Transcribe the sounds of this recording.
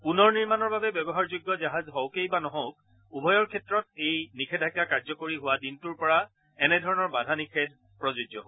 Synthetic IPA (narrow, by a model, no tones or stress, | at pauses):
punɔɹniɹmanɔɹbabɛbɛbɔɦaɹzʊɡːɔzaɦazɦɔwkejbanɔɦɔ̃wk̚ | ubʱɔjɔɹkʰɛtɹɔt̚ejnikʰɛdʱakakaɹzɔkoɹiɦʊwadintuɹpɔɹa | ɛnɛdʱɔɹɔnɔɹbadʱanikʰɛd̚ʱ | pɹɔzʊd͡ʒɔɦo